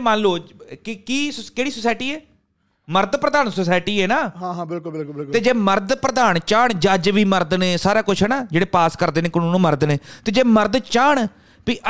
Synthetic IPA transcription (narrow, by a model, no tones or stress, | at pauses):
mãːnloːd͡ʒkɪkiːskeːɽiːsoːsaːɪʈiːɛː | məɾd̪pɾəd̪aːnsoːsaːɪʈiːɛːnaːɦãːɦãːbɪlkʊlbɪlklbɪt̪eːd͡ʒeːməɾd̪pɾəd̪aːnt͡ʃaːɳd͡ʒəd͡ʒʋiːməɾd̪nẽːsaːɾaːkʊt͡ʃʰɦɛːnaːd͡ʒeːɽeːpaːskəɾd̪eːnẽːkənũːnũːməɾd̪nẽːt̪eːd͡ʒeːməɾd̪t͡ʃaːɳ | biːʔə